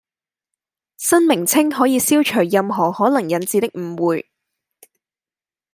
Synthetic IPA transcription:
sɐ˥nmɪ˨˩ŋt͡sʰɪ˥ŋɦɔː˨˥jiː˨˧siː˥wt͡ʃʰɵː˨˩jːɐ˨mɦɔː˨˩hɔː˨˥lɐ˨˩ŋjɐ˨nt͡siː˨˧t̪ɪ˥k̚m̩˨˩wuː˨j

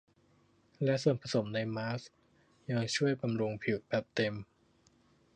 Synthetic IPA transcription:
lɛ˦˥ʔso˨˩npʰa˧so˨˩˦mna˧jmaː˦˥s | ja˧ŋt͡ɕʰu˥˩əjba˧mɾu˧ŋpʰi˨˩w̚bɛː˨˩p̚t̪e˧m

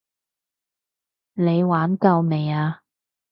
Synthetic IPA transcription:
ne˨˧jwaː˨˥nkɐ˧wme˨˩jaː˧

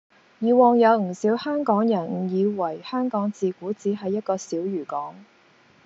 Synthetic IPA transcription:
jiː˨˧wɔː˨˧ŋjɐ˨˧wŋ̩˨˩siː˨˥whœː˥ŋkɔː˨˥ŋjɐ˨˩nŋ̩˨˩jiː˨˧wɐ˨˩jhœː˥ŋkɔː˨˥ŋt͡siː˨˧kuː˨˥t͡siː˨˥ɦɐ˨jːɐ˥t̚kɔː˧siː˨˥wjyː˨˩kɔː˨˥ŋ

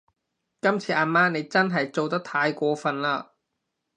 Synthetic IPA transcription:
kɐ˥mt͡sʰiː˨˧ʔaː˧nmaː˥ne˨˧jt͡sɐ˥nɦɐ˨jt͡so˨wt̪̬ɐ˥k̚t̪ʰaː˧jkʷɔː˧fɐ˨nlaː˧

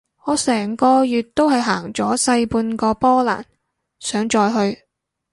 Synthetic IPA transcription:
ŋɔː˨˧sɛː˨˩ŋkɔː˧jyː˨t̚t̪ːo˥whɐ˨jɦaː˨˩ŋt͡sɔː˨˥sɐ˧jpuː˧nkɔː˧pɔː˥la̰ː˨˩n | sœː˨˥ŋt͡ʃɔː˧jɦɵ˧ɥ

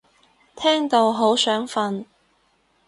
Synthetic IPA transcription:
t̪ʰɛː˥ŋt̪o˧wɦo˨˥wsœː˨˥ŋfɐ˧n

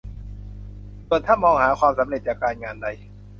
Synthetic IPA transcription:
pːənt̪ʰa˥˩nmɔː˧ŋhaː˩˦kʰwaː˧msa˩˦mɾe˨˩t̪̚t͡ɕaː˨˩kːaː˧nŋaː˧nda˧j

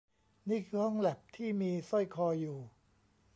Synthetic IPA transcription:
niː˥˩kʰɯː˧hɔ˥˩ŋlɛ˨˩p̚t̪ʰiː˥˩miː˧so˥˩jkʰɔː˧juː˨˩

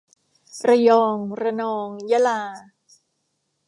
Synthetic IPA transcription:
pɾa˧jɔː˧ŋɾa˧nɔː˧ŋja˦˥laː˧

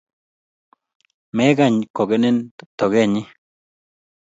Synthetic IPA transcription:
me˦ɡa˦˧˨ɲ˨ko˨ɡe˦ne˦n˨t̪o˨ɡe˦˨ɲi˦

